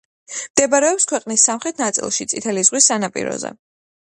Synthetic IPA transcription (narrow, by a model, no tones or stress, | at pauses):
md̪̥ɛbaɾɛɔpskʰwɛqʼnisːamχɾɛt̪ʰnat̪sʼḭlˠʃit̪sʼit̪ʰɛlizʁwisːanapʼḭɾɔ̰zɛ̰